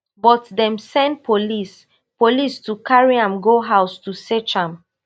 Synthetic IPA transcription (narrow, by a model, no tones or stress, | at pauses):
bɔtdɛ̃msɛ̃nd̚pʰolis | polistukʰaɹiãmɡoɦaʊstusɛt͡ʃãm